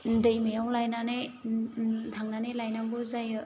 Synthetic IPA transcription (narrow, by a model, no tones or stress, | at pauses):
ndɯjmajawlajnane | tʰaŋnanejlajnaŋɡozajɯ